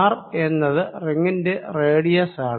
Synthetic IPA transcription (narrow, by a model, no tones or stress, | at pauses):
re̞nːɐðɨriŋːinde̞reːɽijɐsaːɳ